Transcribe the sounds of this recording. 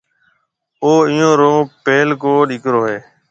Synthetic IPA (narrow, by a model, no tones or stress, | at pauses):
oːɪjõːɾoːpeːlkoːɗiːkɾoːɦeː